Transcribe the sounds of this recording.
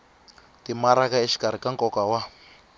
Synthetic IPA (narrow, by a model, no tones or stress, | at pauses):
timaɾakaeʃi̥kaɾikaŋkʼɔkawa